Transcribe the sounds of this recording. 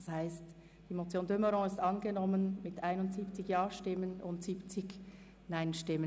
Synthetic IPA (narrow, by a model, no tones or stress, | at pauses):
shaɪst | d̥iːmot͡sjoːndøməɾõŋɪstʔɑnɡənɔmənmɪtʔaɪnʊntz̥iːpt͡sɪçjaːʃtɪmənʊntz̥iːpt͡sɪç | naɪnʃtɪmə